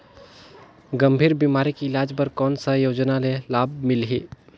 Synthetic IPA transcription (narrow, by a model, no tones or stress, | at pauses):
ɡəmbʱiːɾbimaɾikiːlad͡ʒpəɾkɔnsəjod͡ʒnalelab̚milɦi